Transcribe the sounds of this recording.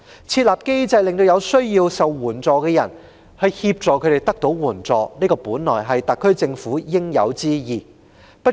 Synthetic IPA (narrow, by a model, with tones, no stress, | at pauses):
t͡sʰiː˧t̚laː˨p̚ke˥jt͡sɐ˧jlɪ˨ŋt̪o˧wjɐ˨˧wsɵ˥ɥjiː˧wsɐ˨wːuː˨˩nt͡sɔː˧kɛː˧jɐ̰˨˩n | hɵ˧jhiː˧p̚t͡sɔː˨kʰɵ˨˧ɥt̪e˨˩jt̪ɐ˥k̚t̪o˨˥wwuː˨˩nt͡sɔː˨˧niː˥kɔː˧puː˨˥nlɔː˨˩jɦɐ˨jt̪ɐ˨kʰːɵ˥ɥt͡sɪ˧ŋfuː˨˥jɪ˥ŋjɐ̰˨˧wt͡siː˥jiː˨ | pɐ˥